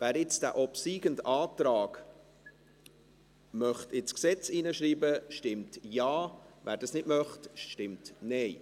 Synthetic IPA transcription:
væːɾɪt͡sd̥æ̰ʔɔpsiːɡ̥əndtɑːtɾɑːɡ̥ | mœχtɪt͡sksɛt͡siːnəʃɾiːbəʃtɪmtjɑːvæːɾdɑsnɪtmœχtʃʃtɪmtnɛɪ

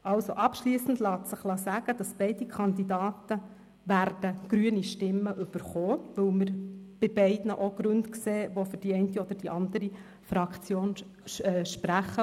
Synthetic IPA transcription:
ʔɑlsoʔɑpʃliːsn̩dlɑːt̪səχlɑsæɡ̥əd̥ɑsb̥ɛɪdikʰɑnd̪idɑːtə | ʋæɾd̥əɡ̥ɾyəniʃtɪmːəʔʏb̥əɾχoːʋɵwməɾb̥ɪbɛɪdnəʔoɡ̥ɾʉntkseːʋofʏɾd̥iɛɪntiɔd̥əd̥iʔɑnd̪əɾi | fɾɑkt͡sjoːn | ɛʃpɾæχə

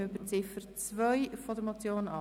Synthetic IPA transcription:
ʏbət͡sɪfəɾt͡svœʏfodəɾmot͡sjoːnɑ

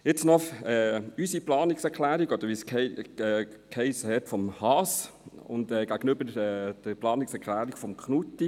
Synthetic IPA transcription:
jɪt͡snɔχɛːysiplɑːnɪksɛʁkʰlæːɾiɡɔd̥̪əɾʋiːskʰɛɛː | kʰhɛɪshɛtfɔmhɑs | ʊ̰ndɛːɡ̥æɡənʏbəɛd̥əplɑːnɪksɛɾkʰlæːɾiɡ̥fɔmkχnutːi

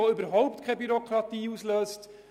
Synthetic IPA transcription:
oʏbəɾɦɔʊp̚t̪kʰɛbyɾɔkʰɾɑt̪iːusløːst

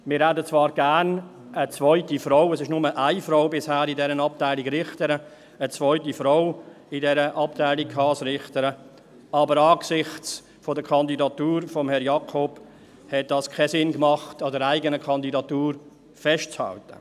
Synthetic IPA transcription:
mɪːɾɦædət͡svɑːɾɡ̥æːn | ət͡svɔʏtifɾɔʊɛsɪʃnʊməʔaɪfɾoʊbɪshæːɾidɛɾənɑp̚taɪliɡɾɪχtəɾə | ət͡svɔʏtifɾɔʊ | ɪdɛɾəʔɑp̚tʰaɪlikkʰhɑːsɾɪχtəɾə | ɑːbəɾɑːksɪχt͡s | fɔdəkʰɑndidɑtuːɾfɔmhɛɾjɑkʰɔb̥ | hɛt̚d̥ɑːskʰɛsɪnkmɑχtɑdəɾaɪɡənəkʰɑndidɑtuːɾ | fɛʃt̚t͡shɑ̰ltə̰

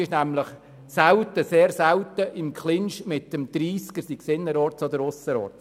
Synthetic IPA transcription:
ɪʃnæmləχ | sæwt̪əseːɾsæwtəʔɪmkχlɪnʃmɪtəmd̥̪ɾiːskəɾsiksɪnːəɾɔɾtsɔdəɾʊsəɾɔ̰ːɾt

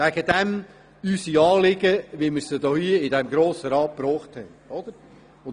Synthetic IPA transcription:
æɡəd̪ɛm | ysiɑːlɪɡəʋimɪɾsəd̪ɔhiəɪdɛmɡɾoːsəɾɑːt̚pɾoːχt̪hɛnɔd̪əɾ | ʊn

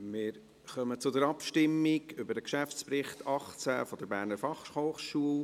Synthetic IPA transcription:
mɪːɾ | χœmət͡sʊdəɾɑpʃtɪmːiɡʏbəɾdəkʃæft͡sprɪχtʰɑχt͡sæ̰fɔd̥̪əɾbæːɾnəɾfɑχhoːχʃuəl

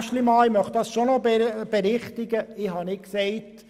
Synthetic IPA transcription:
ʃlimɑːmœχtdɑsʃonɔbɛb̥ɛɾɪχtɪɡəɪhɑnɪksɛɪt

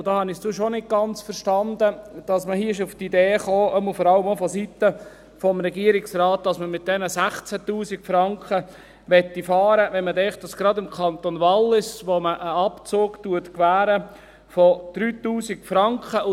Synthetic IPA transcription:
ʊd̥ɑːhɑnɪsduʃonɪt̚ɡ̥ɑnt͡sfəɾʃtɑnd̪əd̥ɑsməhiːəɪʃ̬uftideːχoːʔəməlfɔɾɑləmofɔsit̪ə | fɔmɾɛɡiəɾɪksɾɑːt̚d̥ɑsməmɪt̚d̥ɛnəsæχt͡sætuːsikfɾɑŋkχə | ʋɛt̪ːifɑːɾəʋɛnmətɛŋχtdɑsɡ̥ɾɑdɪmkʰɑnt̪onʋɑlːɪsʋoməʔəɑpt͡soːɡtuətkʋæːɾə | fɔd̪̥ɾyːt̪uːsikfɾɑŋkχəʊ

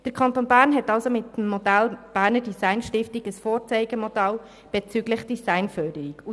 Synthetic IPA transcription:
d̥əɾkʰɑntonbæːɾnɦɛtɑlsomɪtm̩ːɔdælb̥æːɾnəɾdisaɪnʃtɪftiɡəsfoːɾt͡sɛɪɡəmod̥ɑl | b̥ɛt͡syɡləχd̥isaɪnfœdəɾiku

